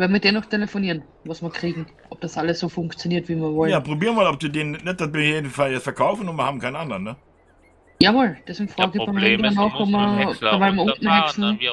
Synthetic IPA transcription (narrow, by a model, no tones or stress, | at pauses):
vɛnmiɪd̥eːnɔχtʰelefoniːɐn | vɑsmiɐkʁ̥iːɡŋ̩ | ʔɔp̚d̥asʔaləsːoːfʊŋkt͡sjoniːɐtviːmiɐvɔljaːpʁ̥obiːʁəmaːlɔp̚d̥uːdeːnnɛd̥abɪnçeːdnfaɛsfɛɐkʰaʊfn̩ʊnmɐhaːbm̩kʰaɪnʔandɐʁnːə | javoːld̥ɛsɪŋfʁ̥aːɡɡɪamedɐnɑːxɔpmɐd̥ɐʋalmɐʊnʔn̩hɛksn̩